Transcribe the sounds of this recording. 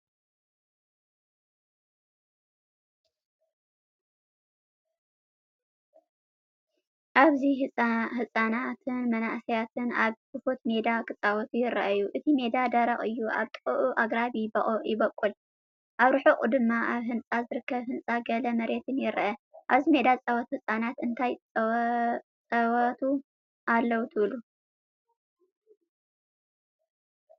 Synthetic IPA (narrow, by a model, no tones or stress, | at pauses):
ʔaβziɦɨɦɨsʼanat̪ʰɨnmɐnaʔsijat̪ʰɨnaβkɨfot̪me̞d̪akʰɨt͡sʼawot̪ʰujɪɾɐʔjuʔɨt̪ʰime̞d̪ad̪ɐɾɐχʼɨjːuʔa̰βt̪ʼɨ̥χʼuʔuʔaɡɾaβibɐχʼoʔjɪβɐkʼːul | ʔaβɾɨħoχʼud̪ɨmːaʔaβɦɨnt͡sʼazɨɾɨkːɐβhɨnt͡sʼaɡɐlɐmɐɾe̞t̪ʰɨnjɪɾʔɐʔaβzime̞d̪at͡sʼawɐt̪uhɨsʼanat̪ɨnt̪ʰajt͡sʼ | t͡sʼɐwɐt̪ʰu | ʔalːɐwt̪ʰɨβlu